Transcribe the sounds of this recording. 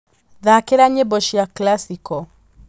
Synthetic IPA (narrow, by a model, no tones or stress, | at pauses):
ðakeɾaɲɛbɔʃiaklasikɔ